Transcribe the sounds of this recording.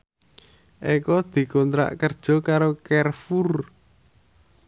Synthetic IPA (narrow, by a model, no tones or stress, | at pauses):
ʔekɔd̪̥i̤kɔnt̪ɾa̰ʔkərd̥ʒ̥ɔ̤kaɾokɛrfur